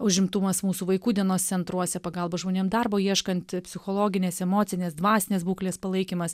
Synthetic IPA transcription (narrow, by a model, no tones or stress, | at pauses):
ʊʒʲɪmt̪ʊmɐsmuːsuːʋɐɪkuːd̪ʲiɛnoːst̪sʲɛnt̪ɾuɔsʲɛpɐɡɐlˠbɐʒmoːnʲeːmd̪ɐrboːiɛʃkɐnʲt̪ʲpʲsʲɪxoːlˠoːɡʲɪnʲeːsɛmoːsʲɪnʲeːsd̪ʋɑːsʲɪnʲeːsbuːklʲeːspɐlˠɐɪkʲiːmɐs